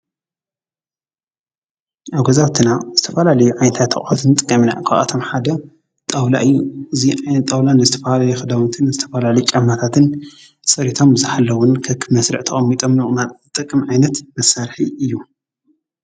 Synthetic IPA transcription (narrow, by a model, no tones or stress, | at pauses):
ʔaβɡɐzawt̪ʰɨnazɨt̪ʰɐfɐlalɐjuʕajnɐt̪ʰat̪ʰːɐχʼot̪ʰɨnt̪ʼɨkʼːɐmina̰ʔkʰaʔʼa̰t̪ʰo̞mħad̪ɐ | t̪ʼawla̰ʔɨjːuɨziʕajnɐt̪ʼːawlanɨzɨt̪ʰɐfɐlalajuxɨd̪awut̪ʰɨnzɨt̪ʰɐfɐlalɐjut͡ʃʼɐmːat̪ʰat̪ʰɨn | sʼɐɾit̪ʰo̞mbɨzɨħalːɐwʊnkʰɐkʰːɨmɐsɾɨ̰ʕt̪ʰɐχʼɐmːit̪ʼomnɨʔʼnat̪zɨt̪ʼɨkʼːɨmʕajnɐt̪mɐsaɾħiʔɨjːu